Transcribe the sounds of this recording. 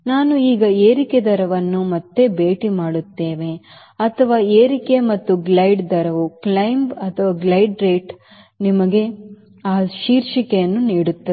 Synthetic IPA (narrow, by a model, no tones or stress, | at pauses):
naːnuiːɡɐeːɾiked̪ɐɾɐʋɐnːumɐt̪ːe̞be̞ːʈimaːɽut̪ːe̞ːʋe̞ | ɐt̪ʰɐʋaːeːɾike̞mɐt̪ːuɡlɐjɖd̪ɐɾɐʋuklɐjmbɐt̪ʰɐʋaːɡlɐjɖɾeːʈ | nimɐɡe̞ | aːʃiːɾʃikejɐnːuniːɽut̪ːɐ